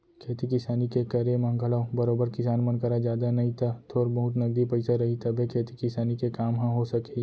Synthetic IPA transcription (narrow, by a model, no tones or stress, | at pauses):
kʰeːt̪ikɪsaːnikekɐɾemɐ̃ŋɡʱəlabɐɾoːbəɾkɪsaːnmɐnkəɾad͡ʒjaːd̪anɐɦĩt̪ʰat̪ʰoːɾbɐɦʊt̪nɐɡd̪ipəɪsaɾɐɦit̪ʰɐbʱekʰeːt̪ikɪsaːnikekaːmɦɐ̃ɦosɐke